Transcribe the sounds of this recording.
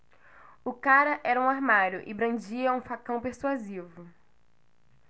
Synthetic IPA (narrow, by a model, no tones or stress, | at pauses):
ʊkaɾɐʔɛɾɐũaɾmaɾjʊʔɪbɾɐ̃d͡ʒiɐũfakɐ̃w̃peɾsuazivʊ